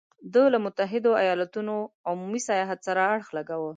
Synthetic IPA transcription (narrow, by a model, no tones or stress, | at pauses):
d̪əlamʊt̪aɦɪd̪oajɑlat̪unoʊumumisajɑɦat̪saɾaːɽxlaɡawə